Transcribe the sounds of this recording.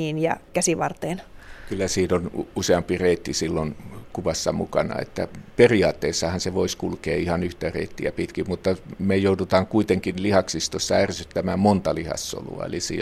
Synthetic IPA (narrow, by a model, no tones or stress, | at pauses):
iːnjɑ̰kæsiʋɑrt̪eːnkylːæsiːnonuseɑmpireit̪ːisilːonkuʋɑsːɑmukɑnɑ̰ḛt̪ːæ̰periɑːt̪ːeːsːɑhɑnseʋoiskulkeːihɑnyht̪ærḛːt̪ːiæpit̪kimut̪ːɑmejoutut̪ɑːŋkuit̪eŋkinlihɑksist̪osːɑærsyt̪ːæmæːmmont̪ɑlihɑ̰sːo̰lṵɑ̰ḛlisḭː